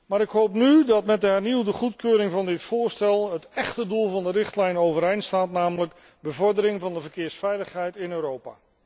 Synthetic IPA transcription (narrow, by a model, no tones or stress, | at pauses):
maːɾɪkɦowpnydɑtmɛt̚dəɦɛɹniwdəχutkøːɾɪŋvɑndɪtfʊːɹstɛlˠɦətɛχtədulˠvɑndərɪχtlɛjnowvəɾejnstaːtnaːmələk | bəvɔɹdəɾɪŋvɑndəvəɹkɪːɹsfɛjləχɦɛjtɪnøːɾowpa̰ː